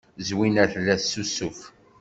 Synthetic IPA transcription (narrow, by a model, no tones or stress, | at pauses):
zwinæθlːæsːusuf